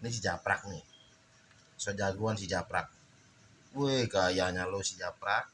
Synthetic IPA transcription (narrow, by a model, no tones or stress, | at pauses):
nis̬id͡ʒapɾa̰k̚nɪh | sod͡ʒaɡuans̬id͡ʒapɾa̰k̚ | uekajaɲalosid͡ʒapɾak̚